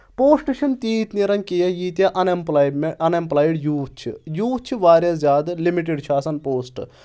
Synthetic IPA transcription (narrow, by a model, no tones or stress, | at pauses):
poːsʈʃʰɐnt̪iːt̪niɾɐnkijɐjiːt̪jaːʔɐnemplmeʔɐnemplaːjɖjuːt͡ʃʰḭjuːt͡ʃʰiʋaːɾʲjazʲjaːd̪limiʈ̬eɖt͡ʃʰaːsɐnpoːsʈ